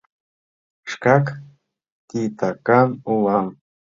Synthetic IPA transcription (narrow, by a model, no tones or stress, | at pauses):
ʃkak | t̪it̪akanuwam